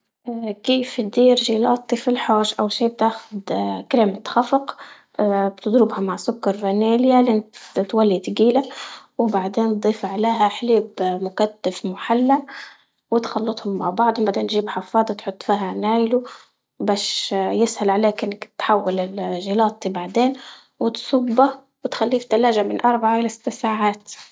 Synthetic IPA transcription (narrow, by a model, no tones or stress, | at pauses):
ʔkiːft̪d̪iːɾʒiːlɑːt̪ˤːifilħoːʃʔawʃiːb̚t̪aːxʊ̥d̪kɾeːmt̪xafɑq | bt̪ɪd̪ɾɪbhamaʕsʊkːɑɾˤvaneːljalʔɪnt̪walːit̪ɡiːlawbaʕd̪eːnd̪ˤiːfʕaleːɦaħleːbmʊkat̪ːafmʊħalːa | wɪt̪xɑlːɑt̪ˤhʊmːaʕbɑʕd̪ˤʊmbad̪anʒiːbħɑfɑːd̪ˤɑt̪ħʊt̪ˤːfiːɦanaːjlu | baːʃjɪshalʕaleːkʔɪnːakt̪ħawːalɪlʒilɑːt̪ˤːibaʕd̪eːn | wɪt̪sʊbːa | wɪt̪xalːiːfd̪alaːʒamɪnʔɑɾˤbaʕaʔɪlasɪ̥t̪ːsaːʕaːt̪